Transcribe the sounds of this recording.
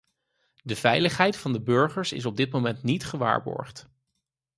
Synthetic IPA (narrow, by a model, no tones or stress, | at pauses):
dəv̥ɛjləχɦɛjtfɑndəbɵɹχəɹsɪ̰s̬ɔb̚dɪt̚mowmɛntnitχəʋa̰ːɹbɔ̰ɹχt